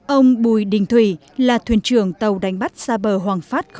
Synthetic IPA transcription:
ʔə˧wŋ͡mɓu˧˩jɗï˧˩ŋ̟t̪ʰwḭ˧˩ | laː˨˩t̪ʰwi˧˩ənt͡ɕɨ˧˩əŋt̪ə˨˩wɗa˨˩jŋ̟ɓa˦˥t̚saː˧ɓəː˧˩ɦwaː˨˩ŋfaː˦˥t̚x

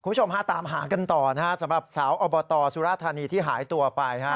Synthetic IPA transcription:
ku˧˦u˥˩o˧mha˦˥˩t̪aː˨˩˦mɦaː˩˦ka˧nt̪ɔː˨˩na˦˥kʰa˦˥˩sa˨˩˦mɾa˨˩p̚saː˩˦wʔɔː˧bɔː˧t̪ɔː˧suː˦ɾaː˥˩t̪ʰːaː˧niː˧t̪ʰiː˥˩ɦaː˩˦jt̪u˧ɐpa˧jkʰa˦˥

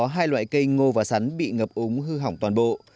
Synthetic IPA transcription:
ɔ˨˦ɦaː˧jlwa̰ː˧˨jkə˧jŋo˧vaː˨˩sa˨˦ŋɓḭ˧˨ŋəː˨˩p̚ʔʊ˨˦ŋ͡mɦɨ˧ɦa˧˩wŋ͡mt̪waː˨˩nɓo̰˧˨

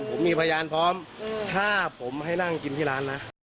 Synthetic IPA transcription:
pʰo˩˦mːiː˧pʰa˧jaː˧npʰɔː˦˥mt̪ʰaː˥˩pʰo˩˦mɦa˥˩jna˥˩ŋki˧nt̪ʰiː˥˩laː˦˥nːa˦˥

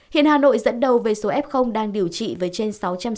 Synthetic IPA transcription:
hḭ˧˨ənhaː˨˩no̰˧˨jzə̰˧˥nɗə˨˩wve˨˩so˨˦ʔɛ˦˥p̚xə˧wŋ͡mɗaː˧ŋɗi˨˩əwt͡ɕḭ˧˨vəː˨˦jt͡ɕe˧nsa˨˦wt͡ɕa˧m

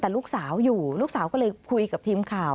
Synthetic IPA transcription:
t̪ɛː˨˩luː˥˩k̚saː˩˦wjuː˨˩luː˥˩k̚saː˩˦wkɔ˥˩lɤː˧jkʰu˧jka˨˩t̪ʰiː˧mkʰaː˨˩w

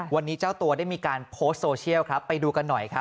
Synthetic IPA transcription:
wa˧nːiː˦˥t͡ɕaː˥˩wt̪u˧ɐda˥˩jmiː˧kaː˧npʰoː˦˥st̪̚soː˧t͡ɕʰi˥˩əwkʰɾa˦˥pːa˧jduː˧ka˧nːɔ˨˩jkʰɾa˦˥

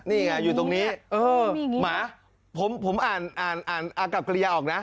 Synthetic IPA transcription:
niː˥˩kʰa˧˩juː˨˩t̪o˧ŋniː˦˥ʔɤː˧maː˩˨˦ | pʰo˩˦mpʰo˩˦mʔaː˨˩nʔaː˨˩nʔaː˨˩nʔa˧˩ka˨˩p̚kɾi˧jaː˧ʔɔː˨˩k̚na˦˥ʔ

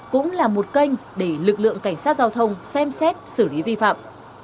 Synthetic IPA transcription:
kʊ̰˧˥ŋ͡mlaː˨˩mo˨˩t̚kə˧jŋ̟ɗe˧˩lɨ˨˩k̚lɨ̰˧˨əŋka˧˩jŋ̟saː˦˥t̚zaː˧wt̪ʰə˧wŋ͡msɛ˧msɛ˦˥t̚sɨ˧˩li˨˦vi˧fa̰ː˧˨m

